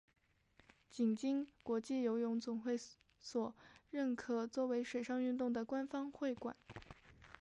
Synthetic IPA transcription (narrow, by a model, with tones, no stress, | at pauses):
t͡ɕi˨˩ŋt͡ɕi˥ŋkwɔ˧˥t͡ɕi˥˩jo˧˥ʊjʊ˧˥ŋt͡sʊ˨˩ŋxwe˥˩ɪ | swɔ˨˩ɻə˥˩nkʰɤ˨˩t͡swɔ˥˩we˧˥ɪʂwe˨˩ɪʂɑ˥˧ŋy˥˧nt̪ʊ˥˩ŋd̪ə˩kwa˥nfɑ˥ŋxwe˥˩ɪkwa̰˨˩˦n